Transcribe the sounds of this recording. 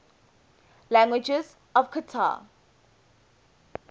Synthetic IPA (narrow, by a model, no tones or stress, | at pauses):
læ̃ŋɡwɪd͡ʒɛz | ɔvkʰətʰa̰